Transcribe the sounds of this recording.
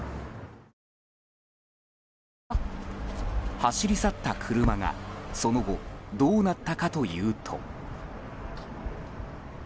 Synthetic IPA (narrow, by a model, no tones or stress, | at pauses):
haɕiɾʲisat̪ːakʰɯ̟ɾɯ̟maŋa̰so̞no̞ɡo̞d̪o̞ːnat̪ːakat̪o̞jɯ̟ːt̪ʰo̞̰